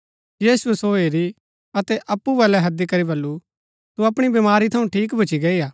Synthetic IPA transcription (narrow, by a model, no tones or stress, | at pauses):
jiːsuɛsoːeɾi | ɐt̪ɛʔɐpːubɛːlɛɦɐd̪ikɐɾibɐlːu | t̪uɐpɽ̃ibimaːɾit̪ʰɐũʈʰiːk̬bʱɐt͡ʃiɡɐiaː